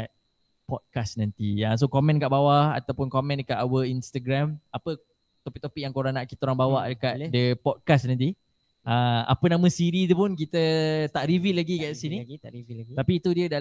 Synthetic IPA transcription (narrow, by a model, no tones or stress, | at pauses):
at̪̚ | pɔd̪̚kasnant̪ias̬okomɛ̃nkaʔbawaa̰t̪awpʊnkomɛ̃nkaʔawəinst̪aɡɾamapə | t̪ɔpik̚t̪opik̚jaŋkoɾanaʔki̥t̪aoɾaŋbawaʔdəkat̪dəpɔd̚kasnãnt̪̬i | ãa̰pənãmə̃siɾit̪̬upʊnk̬it̪ət̪aʔɾivilaɡikaʔsiniiit̪apiːt̪udiəda